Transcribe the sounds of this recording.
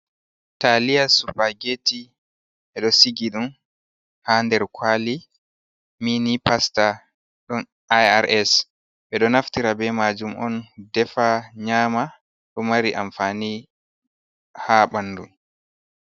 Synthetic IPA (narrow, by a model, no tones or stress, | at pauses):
talijasupaɡeti | ɓɛɗɔsiɡiɗum | haːndɛɾkʰwaːli | minipasta | ɗɔn | ajaɾɛs | ɓɛɗɔnaftiɾabɛmad͡ʒumʔɔ̰ndɛfaɲaːma | ɗɔmaɾiʔaɱfaːni | haːɓanːdu